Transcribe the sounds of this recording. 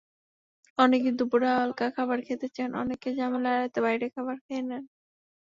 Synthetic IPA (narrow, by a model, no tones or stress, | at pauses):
ɔnekid̪ubuɾaaalkakʰabaɾkʰet̪et͡ɕʰenʔɔ̰nekːed͡ʑamelaɾat̪eβajɾekʰaβaɾkʰenen